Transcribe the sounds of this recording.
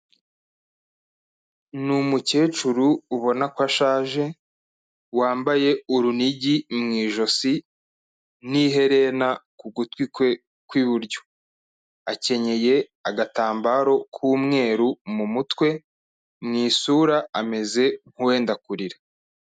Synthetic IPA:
numuce̞ːt͡ʃuɾuːβo̞nakwaʃaːʒe̞ | waːmbaje̞uɾuniɟimŋiːʒo̞si | niɦe̞ɾe̞nakuɡutwikwe̞ | kwiβuɾɟo̥ | ace̞ɲe̞je̞ | aɡataːmbaːɾo̞kʰuːmŋe̞ːɾumumutwe̞ | mŋiːsuɾaame̞ze̞ŋ̥huwe̞ːndakuɾiɾa

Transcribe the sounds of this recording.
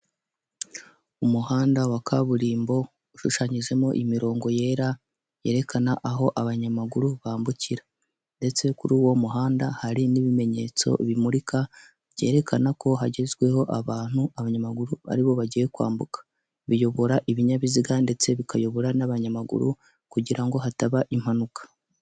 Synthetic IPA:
umuhaːndawakʰaβuɾiːmbo̞ | uʃuʃaɲiʒe̞moʔimiɾo̞ːŋɡo̞je̞ːɾa | je̞̰ːɾe̞kʰanaʔaɦo̞ʔaβaɲamaɡuɾuβaːmbuciɾa | nde̞t͡se̞kuɾuːwo̞muɦaːndahaɾiniβime̞ɲe̞̰ːt͡so̞̰βimuɾika | βɟe̞ːɾe̞kʰanako̞ɦaɟe̞zɡwe̞ho̞ʔaβaːn̥huaβaɲamaɡuɾuβa̰ɾiβo̞βaɟije̞kwa̰ːmbukḁ | βijo̞βo̞ɾaʔiβiɲaβiziɡande̞t͡se̞βikajo̞βo̞ɾanaβaɲamaɡṵɾṵ | kuɟiɾaŋɡo̞ɦataβaʔim̥hanukḁ

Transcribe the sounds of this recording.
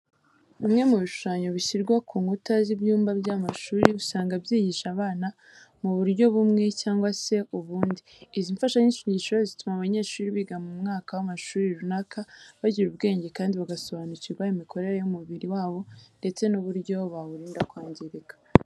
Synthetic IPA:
imŋe̞muβiʃu̥ʃaːɲo̞βiʃiɾɡwakuːŋɡutazibjuːmbabɟaːmaʃuːɾiusaːŋɡabjiːɟiʃaβaːna | muβuɾɟo̞βumŋe̞caːŋɡwase̞uβuːndiː | ziɱfaʃaɲiʃiɲɟiʃiβazitumaβaɲe̞ːʃuːɾiβiɡamumŋaːkawamaʃuːɾiɾunakʰaβaɟiɾuβɡe̞ːɲɟe̞kaːndiβaɡaso̞βanuciβajomikʰo̞ɾe̞ɾejumuβiɾiwaːβo̞nde̞t͡se̞nuβuɾɟo̞βaβuɾiːndakwaːɲɟeɾekḁ

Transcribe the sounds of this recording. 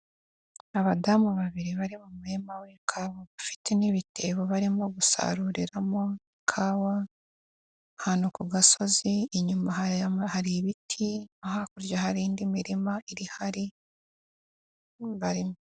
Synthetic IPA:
aβadamuβaβiɾiβaɾimumuemawekʰaːwaβafi̥tʰe̞niβitʰe̞ːβoβaɾimo̞ɡusa̰ɾuɾiɾamo̞ekʰaːwa | hanokuɡaso̞ziːɲumahahaɾiβitʰiahakuɾɟahaɾiːndimiɾimaiɾihaɾi | βaɾimo

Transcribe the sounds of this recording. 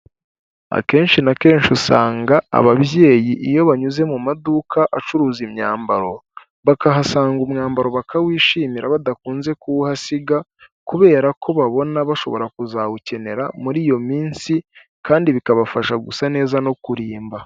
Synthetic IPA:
a̰ke̞ːnʃinake̞ːnʃusaːŋɡaa̰βaβje̞ːjiʔijo̞βaɲuze̞mumadukʰaʔat͡ʃuɾuːzimɲa̰ːmbaɾo̞ | βakaɦasaːŋɡumŋaːmbaɾo̞βakʰawiːʃiːmiɾaβadakuːnze̞kuuhasiɡa | kuβe̞ːɾako̞βaβo̞naβaʃo̞βo̞̰ɾakuzawuce̞ne̞ɾamuɾiːjo̞miːnsi | kaːndiβikaβafaʃaɡusane̞ːzano̞kuɾiːmba

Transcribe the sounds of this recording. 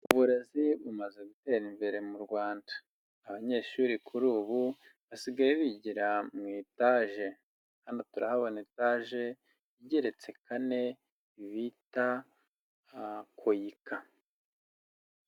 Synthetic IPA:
uβuɾeziβumaze̞ɡute̞ːɾimbe̞ɾe̞muɾɡwaːndḁː | βaɲe̞ʃuɾikʰuɾuːβu | βasiɡajeβiɟiɾamŋiːtaʒe̞ | hanotuɾahaβonitaʒe̞ | iɟeɾe̞t͡se̞kane̞ | iβita | kʰojika

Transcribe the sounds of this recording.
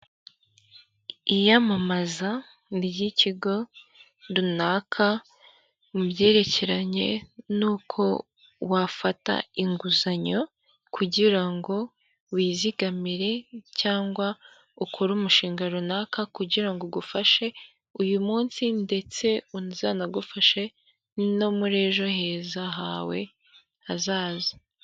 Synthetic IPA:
ijamamaza | nibɟiciɡo̞ | ɾunaːkʰa | mubɟe̞ːɾe̞ce̞ɾaɲe̞̰nuːkʰo̞ | wafata̰iŋɡuzaɲo̞ | kʰuɟiɾaŋɡo̞ | wiːziɡamiɾe̞caːŋɡwa | ukʰoɾuːmuʃiːŋɡaɾonakakuɟiɾaŋɡoɡufaʃe̞ | ujumuːnsinde̞t͡se̞unzaːnaɡufaʃe̞ | no̞muɾe̞ːʒo̞he̞ːzaɦaːwe̞̰ | azaːza

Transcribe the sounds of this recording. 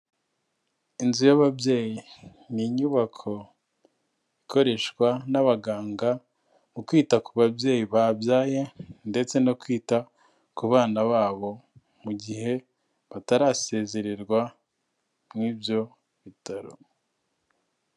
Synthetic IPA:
inzujaβabje̞ːji | niɲuːβakʰo̞ | iko̞ɾe̞ʃkwanaβaɡaːŋɡa | mukwiːtakuβabje̞ːjiβaːbjaːje̞nde̞t͡se̞nokwiːta | kuβaːnaβaːβo̞ | muɟiɦe̞ | βataɾaːse̞ːze̞ɾe̞ɾɡwa | mŋiːbjo̞ | βitaɾo̰

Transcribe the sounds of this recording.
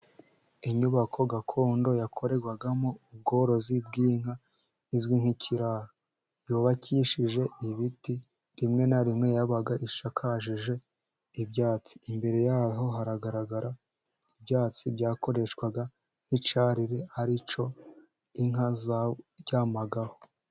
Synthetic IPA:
iɲuβakʰo̞ɡakʰo̞ːndo̞jakʰo̞ɾe̞ɡwaɡamoub̚ɡo̞ɾo̞zib̚ɡiːŋ̥ha | izɡwiŋ̥hicʰiɾaɾo | juːβacʰiʃiʒe̞iβiti | ɾimŋe̞naɾimŋe̞jaβaɡaʔiʃakʰaʃiʒe̞ | ibjaːt͡si̥imbe̞ɾe̞jaːɦo̞ɦaɾaɡaɾaɡaɾa | ibjaːt͡sibjaːko̞ɾe̞ʃkwaɡa | n̥it͡ʃaɾiɾehaɾit͡ʃo̞ | iŋazaɟaːmaɡaho̞

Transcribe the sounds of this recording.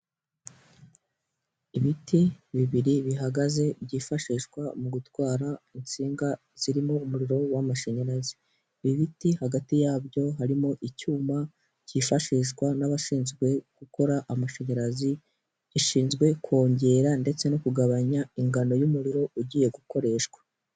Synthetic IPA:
iβitiβiβiɾiβiɦaɡaze̞bɟiːfaʃiːʃkwamuɡutwaːɾaint͡siːŋɡa | z̥iɾimoumuɾiɾo̞wamaʃe̞ɲeɾazi̥ | βiβitihaɡatijaːbjo̞ɦaɾimo̞ʔicuːma | ciːfaʃiːʃwanaβaʃiːnzɡwe̞ɡ̥uko̞ɾaʔamaʃe̞ɲeɾazi | iʃiːnzɡwe̞kʰo̞ːɲɟe̞ɾande̞t͡se̞no̞kuɡaβaɲaiŋɡano̞jumuɾiɾo̞uɟiːje̞ɡuko̞ɾe̞ːʃwḁ

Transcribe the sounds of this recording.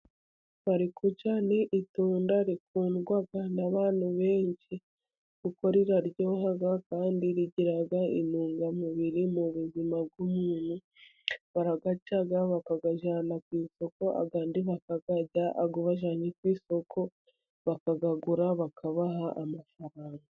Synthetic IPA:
βaɾikʰut͡ʃaneʔituːndaɾik̚uːnɡwaɡanaβaːn̥huβe̞ːɲt͡ʃi | ɡ̥uko̞ɾiɾaɾɟo̞ːhaɡakaːndiɾiɟiɾaɡaḭnuːŋɡamuβiɾimuβuzimab̚ɡumuːn̥hu | βaɾaɡacaɡaβakaɡaʒanakwiːso̞ko̞a̰ɡandiβakaɡ̥aɟaʔːɡuβaʒaːɲikwiːso̞kʰo̞ | βakaɡaɡuɾaβakʰaβaɦaʔːmafaɾaːŋɡa

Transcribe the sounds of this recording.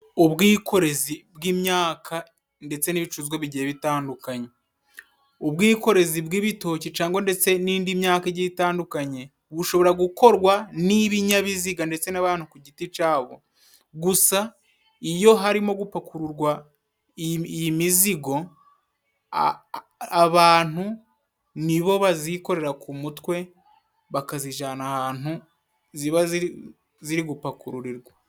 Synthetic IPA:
uβɡiːkʰo̞ɾe̞zibɡiːmɲaːkʰa | nde̞t͡se̞niβit͡ʃuzɡeβiɟieβitaːndukaɲe̞ | uβɡiːko̞ɾe̞zibɡiːβito̞ːcit͡ʃaːŋɡwo̞nde̞t͡se̞niːndimɲaːkeɟiitaːndukaɲe̞ | βuʃo̞βo̞ɾaɡuko̞ɾɡwaniβiɲaβiziɡande̞t͡se̞naβaːn̥hukuɟitit͡ʃaːβo̞ | ɡusa | ijo̞ɦaɾimo̞ɡupakuɾuɾɡwa | jimiziɡo̞ | βaːn̥hu | niβo̞βaziko̞ɾe̞ɾakumutwe̞ | βakaziʒaːnahaːn̥u | ziβaz | ziɾiɡupakuɾuɾiɾɡwa

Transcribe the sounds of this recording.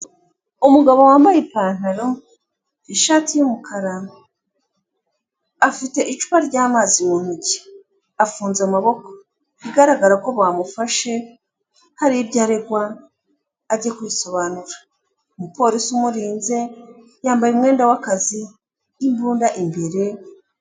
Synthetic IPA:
umuɡaβo̞waːmbajepaːn̥aɾo̞ | iʃaːtijumukʰaɾa | fite̞ʔit͡ʃu̥βaɾɟaːmaːzimuːn̥uɟe̥ | afuːnzamaβo̞ko | iɡaɾaɡaɾako̞βaːmufaʃe̞ | haɾiibɟaːɾe̞ɡwaː | ɾɟekujiso̞βaːnuɾḁ | omupo̞ːɾisiumuɾiːnze̞ | jaːmbajumŋe̞ːndawakaziː | mbuːndaʔimbe̞ɾe̞

